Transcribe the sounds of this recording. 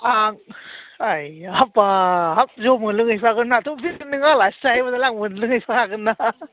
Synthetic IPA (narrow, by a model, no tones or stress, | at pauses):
aŋajhapːaɦap̚zomɯnlɯŋɯjpʰaɡɯnatʰopinnːɯŋalastaajbadalaŋmɯnlɯŋɯjpʰakʰaɡɯnːa